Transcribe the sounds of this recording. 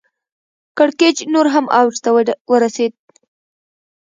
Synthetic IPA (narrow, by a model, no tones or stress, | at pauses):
kaɽked͡ʒnoɾɦamawʒt̪awəɾased̪̚